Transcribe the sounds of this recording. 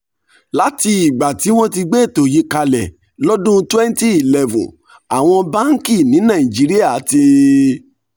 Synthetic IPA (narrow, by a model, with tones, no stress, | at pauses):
la˨˦ti˧i˨ɡ͡ba˨ti˨˦w̃ɔ̃˦ti˧ɡ͡be˦˨to˨ji˨˦ka˧lɛ˨ | lɔ˦dũ˦twɛ˦n˦ti˦i˨lɛ˦vṵ̃˨ | a˨w̃ɔ̃˧bã˦ŋ̩˦ki˦˨nĩ˨˦nã˨ĩ˨d͡ʒi˨˦ɾi˦a˦˨˦ti˧